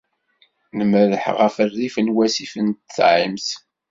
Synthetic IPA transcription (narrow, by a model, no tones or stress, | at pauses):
nəməðəħʁəfərðifənwæsifənt̪θʕimθ